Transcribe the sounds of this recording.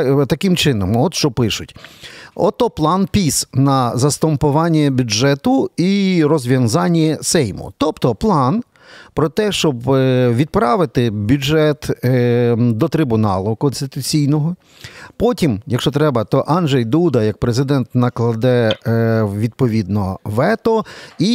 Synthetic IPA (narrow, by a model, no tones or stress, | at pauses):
t̪ɐkɪmt͡ʃɪnɔmɔt̪ʃt͡ʃɔpɪʃʊtʲɔt̪ɔplˠɑnpʲisnɐzɐst̪ɔmpʊʋɑnʲːɛbʲʊʒɛt̪ʊiɾɔzʲʋʲjɐnzɑnʲːɛsɛjmʊ̰t̪ɔpt̪ɔplˠɑn | pɾɔt̪ɛʃt͡ʃɔbʋʲid̪̚pɾɑʋɪt̪ɪbʲud͡ʒɛt̪ | d̪ɔt̪ɾɪbʊnɑ̰lˠʊkɔnst̪ɪt̪ʊt͡sʲijnɔɦɔ | pɔtʲimjɐkʃt͡ʃɔt̪ɾɛbɐt̪ɔʔɑnʒɛjd̪ud̪ɐjɐk̚pɾezɪd̪ɛnt̪nɐklˠɐd̪ɛ | ʋʲid̪̚pɔʋʲid̪nɔ̰ʋɛt̪ɔi